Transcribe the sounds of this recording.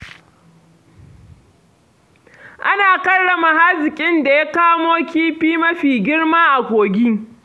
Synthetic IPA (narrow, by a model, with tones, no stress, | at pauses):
ʔa˦naː˨kɐ˦ɽːɐ˨ma˨ha˦zɪ˨kʲʼɪ˦nda˨ja˦kaː˦moː˦kʲiː˦ɸiː˦mɐ˦ɸiː˨ɡʲɪ˦ɽmaː˦ʔa˨kʷoː˨ɡʲiː˦